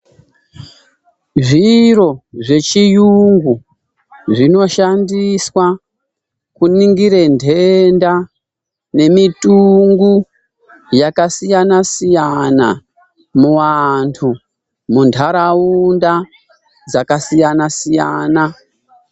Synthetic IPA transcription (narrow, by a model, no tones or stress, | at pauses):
ʐiro̞ʐe̞t͡ʃijuŋɡu | ʐino̞ʃandiswa | kuniŋɡiɾendʱenda | ne̞mitʼuŋɡu | jakasijanasijana̰ | muwantʰu | muntʰaɾaunda | d͡zakasijanasijaːna